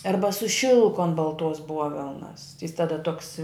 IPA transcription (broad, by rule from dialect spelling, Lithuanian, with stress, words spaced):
ˈɐrbɐ sʊ ˈʃʲɪlˠkʊ ɐn bɐlˠˈtuɔs ˈbuɔʋʲɛlˠnɐs jɪs tɐˈdɐ tuɔks